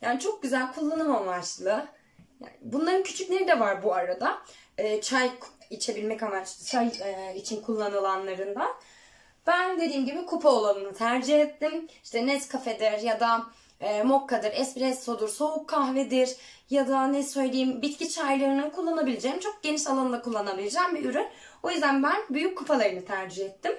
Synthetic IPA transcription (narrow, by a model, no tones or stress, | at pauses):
jaːnit͡ʃʰo̞k̚ɟyzælʲkʰulˠːanɯmamat͡ʃlˠɯ | ja̰bunlˠaɾɯncʰy̥t͡ʃʰycʲlʲe̞ɾid̪ɛvaɾbuaɾad̪aɛːt͡ʃʰajkit͡ʃʰe̞bilʲmɛcamat͡ʃajit͡ʃʰinkʰulˠːanɯlˠanlˠaɾɯnd̪an | b̥ænd̪e̞d̪iːmɟibikʰupʰaolˠanɯnɯt̪ʰæɾd͡ʒiɦet̪ʰːimiʃt̪ʰɛnɛt̪kʰafed̪iɾjad̪aː | mo̞kʰːad̪ɯɾɛspɾɛsːo̞d̪uɾso̞ukʰːaxvɛd̪iɾjad̪anɛsø̞jlʲejimbit̪cit͡ʃʰajlˠɯɾɯnɯnkʰulˠːanabilʲed͡ʒejimt͡ʃʰo̞k̚ɟ̥e̞niʃalˠanɯnakʰulˠːanabilʲed͡ʒambiyɾyn | o̞jyzd̪ænbænbyjyc̚ʰːupʰalˠajɯnɯt̪ʰæɾd͡ʒihɛt̪ʰːim